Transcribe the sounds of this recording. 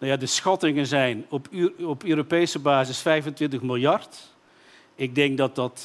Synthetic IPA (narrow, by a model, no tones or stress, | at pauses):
nwjaːdəsxɑtɪŋənzɛjnɔpɔpøːɾopejsəbaːzɪsfɛjvəntʋɪntəχmɪlˠjɑrt | ɪɡ̚dɛŋɡ̚dɑt̚dɑt